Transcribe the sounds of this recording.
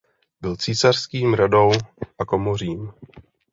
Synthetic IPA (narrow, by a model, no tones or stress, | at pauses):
bɪlt͡siːsar̥skiːmɾado̞wʔako̞moriːm